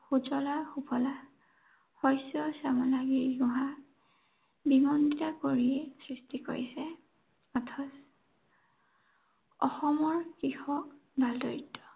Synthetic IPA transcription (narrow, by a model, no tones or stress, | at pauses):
xud͡ʒɔlaxupʰɔla | xɔjsɔsamɔlaɡiɹɡʊɦa | bimɔnditakoɹiɛsɹistiko̰ɹisɛ | ɔtʰɔs | ɔ̰xɔmɔɹkixɔkbʱaldɔɹitʰːɔ̥